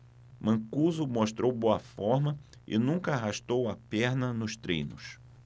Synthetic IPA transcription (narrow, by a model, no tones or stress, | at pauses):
mɐ̃kuzʊmoʃt̪ɾowboɐfɔɾmɐ | ɪ̰nũŋkɐaɦaʃt̪owɐpɛɾnɐnʊst̪ɾḛ̃jnʊ̰s